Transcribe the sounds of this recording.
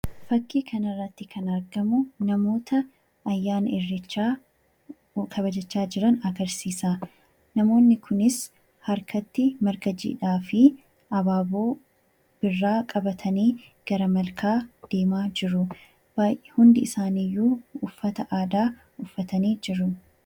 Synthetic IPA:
fɐkːiːkʰɐnɐrːɐt̪ːɪkʰɐnɐɾɡɐmʊnɐmo̞ːt̪ʰɐː | jːaːnɐɪrːɪt͡ʃːaː | kʰɐβɐd͡ʒɐt͡ʃːaːd͡ʒɪɾɐnɐɡɐɾsiːsaː | nɐmo̞ːnːɪkʰʊnɪs | hɐɾkɐt̪ːɪmɐɾɡɐd͡ʒḭːᶑaːfɪ | ɐbaːboː | b̥ɪrːaːkʼɐbɐt̪ʰɐniːɡ̥ɐɾɐmɐlkʰaːd̪̥e̞ːmaːd͡ʒɪɾʊ | baːjʔɛhʊnd̪ɪɪsaːniːjːuːʊfːɐt̪ɐʔaːd̪aː | ʊfːɐt̪ɐniːd͡ʒɪɾʊ

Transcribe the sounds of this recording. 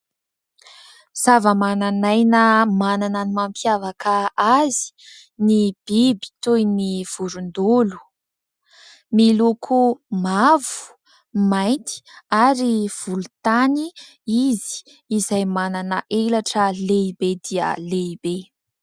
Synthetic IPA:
z̥avəmananajnəmananənimampjavakʰəazi̥ | nib̥ibi̥t̪ujniv̥uɾund̪ulu̥ | milukʰumavu̥ | majnt̪i̥aɾiv̥ulut̪ani | izi̥ː | zajmananəʔelaʈ͡ʂəleibed̪iə̰leibe

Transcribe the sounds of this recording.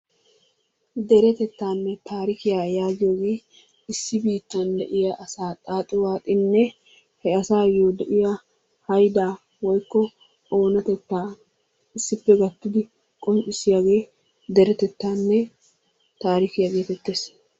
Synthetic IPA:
d̪ɛɾɛt̪ɛt̪ːaːnːɛt̪aːɾɪkɪjaːjaːɡɪjoːɡeː | ɪsːɪbiːt̪ːɐnd̪ɛʔɪjaʔɐsaːt̪ʼaːt̪ʼɪwaːt̪ʼɪnːɛ | hɛɐsaːjoːd̪ɛʔɪja | hɐjd̪aː | wɔjkːɔ | o̞ːnɐt̪ɛt̪ːaː | ɪsːɪpːɛɡɐt̪ːɪd̪ɪ | kʼɔnt͡ʃʼːɪsːɪjaːɡe̞ː | d̪ɛɾɛt̪ɛt̪ːaːnːɛ | t̪aːɾɪkɪjaɡe̞ːt̪ɛt̪ːeːs

